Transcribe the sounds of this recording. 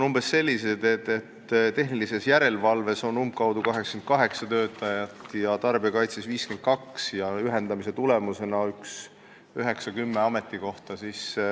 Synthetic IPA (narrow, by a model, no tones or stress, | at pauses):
onumb̥e̞sːe̞lʲːise̞d̪̥e̞d̪e̞t̪ːt̪e̞ɦnilise̞sjæɾe̞lvɑlve̞so̞numb̚kɑwd̪̥ukɑɦeksɑ̥kenkɑɦe̞ksɑt̪ø̞ːt̪ːˑɑjɑt̪ːjɑt̪ɑrb̥iɑkɑjt̪sesviːskent̪̚kɑksjɑyɦe̞nd̪ɑmise̞t̪ule̞muse̞nɑyks | yɦe̞ksɑkymːeɑme̞t̪ːˑiko̞ht̪ɑsis